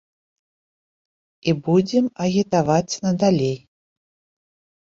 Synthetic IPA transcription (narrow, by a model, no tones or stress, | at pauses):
ibud͡zʲɛmɐɣʲit̪avat͡sʲnɐd̪alʲej